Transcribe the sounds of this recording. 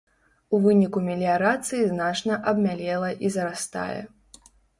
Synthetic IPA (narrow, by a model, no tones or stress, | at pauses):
uvɨnʲikumʲelʲiaɾat̪sɨjiznat͡ʂnɐʔɐbmʲalʲɛlˠɐʔizɐɾast̪a̰jɛ̰